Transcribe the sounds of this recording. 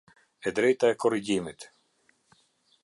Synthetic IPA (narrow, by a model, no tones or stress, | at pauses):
ɛd̪ɾɛjt̪aɛkɔriɟimit̪